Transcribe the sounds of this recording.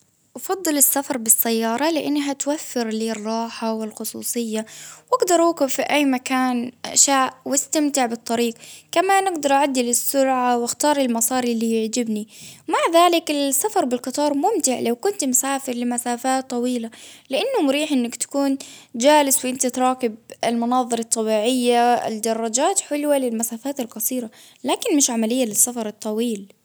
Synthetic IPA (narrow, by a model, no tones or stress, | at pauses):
ʔɑfɑd̪ˤːɨlɪsːafɑɾˤbɪsːajːɑːɾˤɑlɪʔanːɦat̪wafːɪɾliːrˤːɑːħawɪlxʊsˤṵːsˤɨjːawʔaɡd̪ɑɾˤuːkʊbfiʔajːmakaːnʔaʃaːʔwɪst̪amt̪ɪʕbɨt̪ˤːɑɾiːqkamanʔɪɡd̪ɑɾˤʔaʕad̪ːɪlɪsːʊɾʕawɪxt̪ɑːɾˤɪlmɑsˤɑːɾilːijɪʕd͡ʒɪbnimaʕðaːlɪkɪlsafɑɾˤbɪlqɨt̪ˤɑːɾˤmʊmt̪ɪʕlawkʊnt̪mʊsaːfɪɾlɪmasaːfaːt̪ˤːɑwiːlalɪʔanːʊmʊɾiːħʔɪnːakt̪ḁkuːnd͡ʒaːlɪswʔɪnt̪at̪ɾˤɑːkɪb̚ɪlmʊnɑːðˤɨɾˤɑt̪ˤːɑbiːʕɪjːaɪ̰ld̪ɑrˤːɑd͡ʒaːt̪ħʊlwalɪlmasaːfaːt̪ɪlqɑsˤiːɾa | laːkɪnmɪʃʕamalɪjːalɪsːafɑɾˤɨt̪ˤːɑwiːl